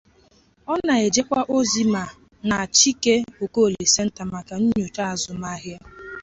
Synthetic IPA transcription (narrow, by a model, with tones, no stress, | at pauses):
ɔ˦na˨e˨d͡ʒe˦kʷa˦ʔo˦zi˦ma˨ | na˨a˨t͡ʃi˦ke˦o˨ko˦o˨li˨se˦n̩˦ta˨ma˨ka˨n̩˦ɲo˨ta˦a˨zʊ˨ma˦ɦja˦